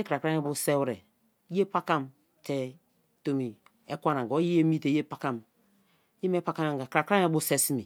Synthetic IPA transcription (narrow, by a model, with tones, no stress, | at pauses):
e˦kɾa˨kɾa˦ŋɛ˦bu˦sɛ˦wɾɛ˨˦ | e˦pa˦ka˦m | tɛ˦ | to˦mi˨ | e˦kʷa˦na˨ɡo˨˦ji˦e˦mi˦te˨˦e˦pa˨˦ka˦m | ji˦me˦pa˦ka˦ma˨ɡa˨kɾa˨kɾa˦ŋe˦bu˦sɛ˦si˦mḭ˨